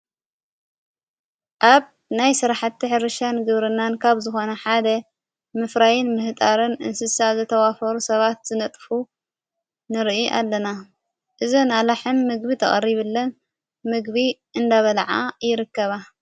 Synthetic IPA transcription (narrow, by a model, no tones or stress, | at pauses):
ʔaβ | najsɨɾaħat̪ːiħɨɾɨʃanɡɨβɾɨnːankʰaβzɨxo̞nɐħad̪ɐ | mɨfɾajɪnmɨht̪ʼaɾɨnɨ̰nsɨsazɨt̪ʰɐwafɐɾusɐβat̪z̥ɨnɐt̪ʼfu | nɨɾʔiʔa̰lːɐna | ʔɨzonalaħɨnːɨɡbit̪ʰɐχʼɐ̰rːiβɨlːɐn | mɨɡβiʔɨnd̪aβɐlʕajɪɾɨkːɐβa